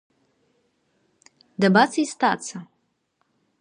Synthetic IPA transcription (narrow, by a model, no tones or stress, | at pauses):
dabat͡sʰaistʰat͡sʰa